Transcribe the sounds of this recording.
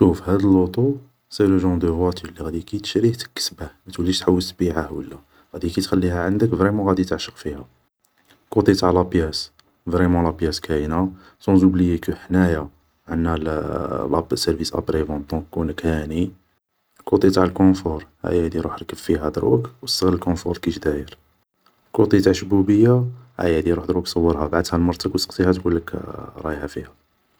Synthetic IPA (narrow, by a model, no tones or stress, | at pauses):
ʃufhæd̪əlːot̪u | seləʒɑ̃d̪əvɑt̪ʰilːiɣæd̪ikit̪ə̥ʃɾiht̪ə̥kːə̥sbæhmæt̪wəlːiʃt̪ħawːəlt̪biʕahwəlːæ | ɣæd̪ikit̪xælːiɦæʕənd̪əkvʁemɑ̃ɣæd̪it̪əʕʃəqfihæ | kot̪et̪aʕlæpjæs | vʁemɑ̃læpjæskæjna | sɑ̃zublijekəħnæja | ʕənːæl̰lɑbsəɾvisʔæ̰bɾevɑ̃d̪ɔ̃kːunəkhæni | kut̪ˤit̪aʕlkɔ̃fɔɾˤhæ̰jæd̪iɾuħɾkəffiɦæd̪ɾˤwəkwəst̪əɣələlkɔ̃fuɾˤkiʃd̪æjəɾ | kut̪ˤit̪aʕlʃbubəjːahæ̰jæd̪iɾuħd̪ɾwəksˤɑwːəɾˤhæbaʕd̪hælmɑɾˤt̪əkwəsəqt̪ihæt̪kulːəkɾˤɑjhæfihæ